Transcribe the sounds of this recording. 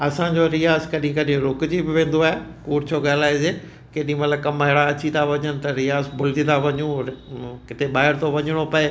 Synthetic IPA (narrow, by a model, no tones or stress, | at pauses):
ɐsãɲd͡ʑoɾɪjaːzkɐɗɦĩkɐɗɪĩɾʊkd͡ʑibɪʋẽːn̆d̪oaːɦekuːɾt͡ɕʰoɡaːlaːezeː | keːɗɪĩmɐt̪lɐb̚kɐmaːɦɪɽaɐt͡ɕit̪ʰaʋɐɲənɪ̆t̪ɐɾɪjaːzbʱʊlt̪it̪ʰaʋɐɲũ | kɪt̪eɓaːɦɪɾt̪ʰoʋɐɲɪɽ̃opɐe